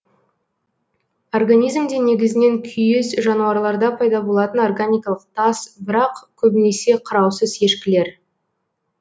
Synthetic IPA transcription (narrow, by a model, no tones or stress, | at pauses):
orɡanijzmd̪ene̞ɡʲɪzɪne̞ŋkʲʰʏjesʒɑnuɑɾlˠɑɾd̪ɑpʰɑjd̪ɑbo̞lˠɑt̪əno̞rɡanʲijkɑlˠəq̚t̪ʰɑsbɪɾɑqkʲʰɵbɪne̞se̞qʰəɾɑwsəze̞ʃkʲɪle̞ɾ